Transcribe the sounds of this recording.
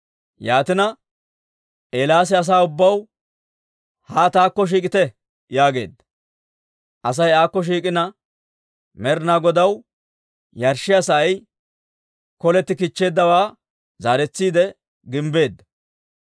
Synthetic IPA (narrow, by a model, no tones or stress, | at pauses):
jaːt̪ɪnɐ | ʔeːlaːs̬ɪɐs̬aːʊbːɐw | haːt̪aːkːɔʃ̬iːkʼɪt̪ɛ | jaːɡe̞̰ːd̪ːɐ̥ | ʔɐs̬ɐjaːkːɔʃ̬iːkʼɪnɐ | mɛɾnaɡɔd̪ɐw | jɐɾʃɪɐsɐːj | kɔlɛt̪ːɪkɪt͡ʃːe̞ːd̪ːɐwaː | zaːɾɛt͡sːiːd̪ɛ | ɡɪmbe̞ːd̪ːɐ̥